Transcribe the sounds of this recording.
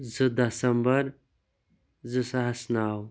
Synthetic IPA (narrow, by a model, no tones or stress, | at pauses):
zɨd̪ɐsɐmbɐɾ | zɨsaɦɐsnaːw